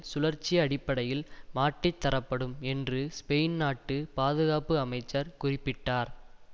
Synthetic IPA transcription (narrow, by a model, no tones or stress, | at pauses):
sʊlɐɾt͡ʃːɪjɐːɽɪpːɐɽɐjɪlmaːʈːɪt̪ːɐɾɐpːɐɽɯmɛndrɯspɛjnnaːʈːɯpaːðɯɣaːpɯɐmɐɪt͡ʃːɐɾkʊrɪpːɪʈːaːɾ